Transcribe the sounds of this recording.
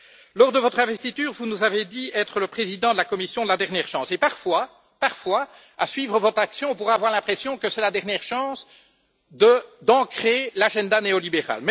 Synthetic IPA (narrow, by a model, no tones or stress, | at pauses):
lɔʁd̪əvɔt̪χɛ̃vɛst̪it̪yːʁvunuzaved̪iɛt̪χələpχezid̪ɑ̃d̪əlakɔmisjɔ̃d̪əlad̪ɛʁnjɛːʁʃɑ̃sepaʁfwa | paʁfwa | a̰sɥiːvʁəvɔt̪χaksjɔ̃ɔ̃p̬uʁaːvwaʁlɛ̃pχesjɔ̃kəsɛlad̪ɛʁnjɛːʁʃɑ̃s | d̪əd̪ɑ̃kχelaʒɛ̃d̪aneɔlibeʁa̰lmɛ